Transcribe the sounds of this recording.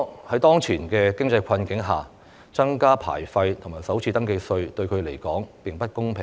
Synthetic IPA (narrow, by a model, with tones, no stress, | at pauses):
hɐ˨˥jt̪ɔː˥ŋt͡sʰiː˨˩nkɛː˧kɪ˥ŋt͡sɐ˧jkʰɐ˧nkɪ˨˥ŋɦaː˨˩ | t͡sɐ˥ŋkaː˥pʰa̰ː˨˩jfɐ˧jt̪ʰʊ˨˩ŋmaː˨˩jsɐ˨˥wt͡sʰiː˧t̪ɐ˥ŋke˧sɵ˧ɥt̪ɵ˧ɥkʰɵ˨˧ɥle˨˩jkɔː˨˥ŋpɪ˨˩ŋpɐ˥t̚kʊ˥ŋpʰɪ˨ŋ